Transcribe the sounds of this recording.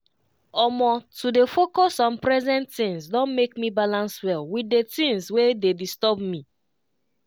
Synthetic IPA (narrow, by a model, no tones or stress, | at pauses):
ɔmɔtudefokɔsɔ̃npɹɛzɛ̃ntːĩnsdɔ̃nmekmibalãnswɛlwidetĩnswededistɔbmi